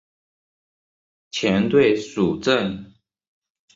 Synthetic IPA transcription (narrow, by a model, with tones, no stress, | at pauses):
t͡ɕʰjɛ˧˥nt̪we˥˨ɪsu˨˩ʈ͡ʂə˥˨n